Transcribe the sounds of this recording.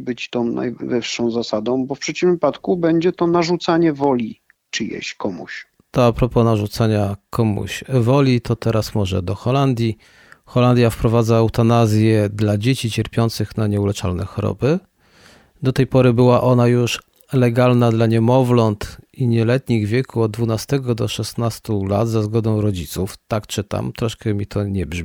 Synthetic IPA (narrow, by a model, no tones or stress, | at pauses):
bɘt͡ɕt̪ɔ̃w̃na̰jvɘfʂɔ̃w̃zasad̪ɔ̃w̃bɔfpʂɛt͡ɕimvɘpat̪kubɛɲd͡ʑɛt̪ɔnaʐut̪saɲɛvɔlʲi | t͡ʂɨjɛ̰ɕkɔmṵɕ | t̪ɔapɾɔpɔnaʐut̪saɲakʰɔmṵɕvɔlʲit̪ʰɔt̪ɛɾasmɔʐɛ̰d̪ɔxɔland̪ʲji | xɔland̪ʲjafpɾɔvad̪zaːwt̪anazʲjɛd̪lad͡ʑet͡ɕit͡ɕɛɾpʲjɔnt̪sɘxnaɲɛulɛt͡ʂa̰lnɛ̰xɔɾɔ̰bɘ | d̪ɔt̪ɛjpɔɾɘbɘwaʔɔnajuʂ | lɛɡalnad̪laɲɛmɔvlɔnt̪iɲɛlɛt̪ɲiɣvʲjɛkuɔd̪̚d̪vunast̪ɛɡɔd̪ɔʂɛst̪nast̪ula̰t̪zazɡɔd̪ɔ̃w̃ɾɔd͡ʑit̪suft̪akt͡ʂɘt̪a̰mt̪ɾɔʂkɛmʲit̪ʰɔɲɛbʐmʲi